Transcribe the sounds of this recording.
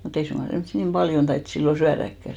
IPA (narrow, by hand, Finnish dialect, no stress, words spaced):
mut ei suŋɡ̊ɑ semsːi nim b̥ɑljon tɑit silːo syærækːæ